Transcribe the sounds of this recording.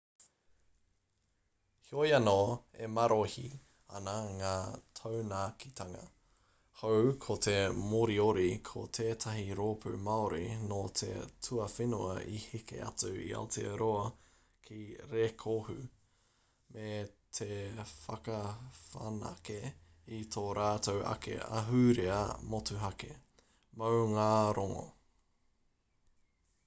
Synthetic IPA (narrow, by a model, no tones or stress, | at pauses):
hiojɐnoḛmɐɾʔohi | ɐ̰naŋaːtʰownaːkit̪ʰɐŋɐ̰ | howkʰot̪ʰe̞moɾioɾikʰo̰t̪ʰeːtʰɐɦiɾoːpʰʉ̰maoɾinot̪ʰḛtʰʉɐfinuɐʔihikḛɐ̰t͡sʉḭa̰otʰḛɾoɐ | kʰiɾekʰohʉ | mʔet̪ʰefɐkɐfɐnɐ̰ke | it̪ʰoːɾaːt̪owʔɐ̰kḛɐ̰ɦʉɾeɐmotʉɦɐke | mɐwŋaːɾoŋo̰